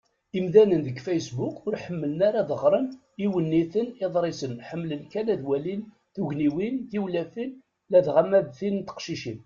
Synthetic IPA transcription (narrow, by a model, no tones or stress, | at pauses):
imðænənðəɡfejsbukʊɾħəmːələnaɾaðəʁɾˤən | iwənːiθəneðˤɾˤisənħəmːlənkænæðwælin | θuʝniwinjiwlæfin | læðʁamːæðθint̪ːə̥qʃiʃin